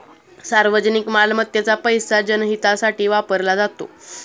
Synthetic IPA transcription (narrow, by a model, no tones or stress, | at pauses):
saɾʋəd͡zənikmalmət̪ːjat͡sapəjsad͡ʑənɦit̪asaʈiːʋapəɾlad͡zat̪o̰